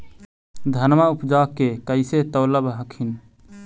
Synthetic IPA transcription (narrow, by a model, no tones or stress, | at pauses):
d̪ʱənmaupd͡ʒakkːekəɪset̪əʊləbɦəkʰin